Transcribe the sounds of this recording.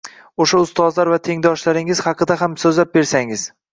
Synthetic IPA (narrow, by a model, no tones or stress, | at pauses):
oʃaʊst̪ɒzlaɾvat̪ʰe̞ŋd̪ɒʃlaɾɪŋɪz̥hɑqɨd̪aɦamsɵzlap̚be̞ɾsaŋɪz̥